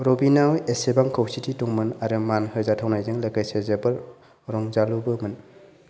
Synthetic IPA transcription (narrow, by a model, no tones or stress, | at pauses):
ɾɔbinawesebaŋkʰawsitituŋmɯnaɾɯmanhɯɾzatʰawnajzɯŋlakajsezebɯɾ | ɾɔŋzalubɯmɯn